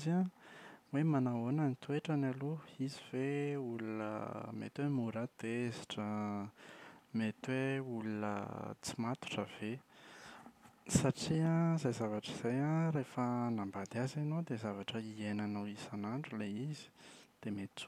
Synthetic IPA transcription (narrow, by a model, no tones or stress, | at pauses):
za | wemanaonənit̪ueʈ͡ʂanaluiziveulunə̰mḛt̪wemuɾat̪eziʈ͡ʂə | met̪weulunə̰t͡simat̪u̥ʈ͡ʂəv̥e | saʈ͡ʂiãzajzavaʈ͡ʂiz̥ajãɾefənambad̪iazanod̪ezavaʈ͡ʂəienanawizanaɳɖ͡ʐuleizi̥d̪̥emet͡s